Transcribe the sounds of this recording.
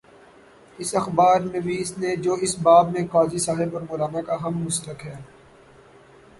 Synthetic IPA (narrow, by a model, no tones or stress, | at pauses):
ɪsɐxbaːɾmẽbʱiɪsned͡ʒoːɪsbaːbmẽkaːzisaːɦebɔɾmʊːlaːnakaɦɐmːʊst̪əkɦɛː